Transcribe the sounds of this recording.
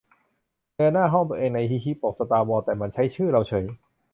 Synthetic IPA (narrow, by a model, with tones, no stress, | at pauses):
tɯː˧naː˥˩ɦɔ˥˩ŋt̪u˧ʔeː˧ŋna˧jɦi˦˥ɦʰi˦˥pːo˨˩k̚sa˧t̪aː˧wɔː˧t̪ɛː˨˩ma˧nt͡ɕʰa˦˥jt͡ɕʰɯː˥˩ɾa˧wt͡ɕʰɤ˨˩˦j